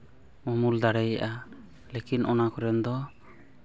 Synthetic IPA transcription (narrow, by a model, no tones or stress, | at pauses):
mɔmuld̪aɽɛjaʔa | lekinʔɔnakɔɾɛnd̪ɔ